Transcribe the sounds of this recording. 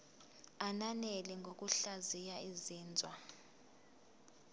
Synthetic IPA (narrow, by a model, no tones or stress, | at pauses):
ananɛlɛŋɡʱok̬ʼuɬazijaiziːnd͡zʱwa